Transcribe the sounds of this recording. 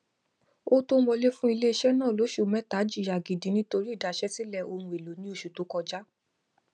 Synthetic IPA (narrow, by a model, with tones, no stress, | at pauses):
o˦to˦wɔ˧le˦fũ˦i˧le˦i˧ʃɛ˦nãː˦˨lo˨˦ʃu˦˨mɛ̃˦ta˨˦d͡ʒi˦˨a˨ɡi˨dĩ˨˦nĩ˦to˧ɾi˦i˦˨da˨ʃɛ˦si˦lɛ˧o˧ɾ̃ũ˧e˨lo˨˦nĩ˧˦o˦˨ʃu˨to˨˦kɔ˧d͡ʒa˦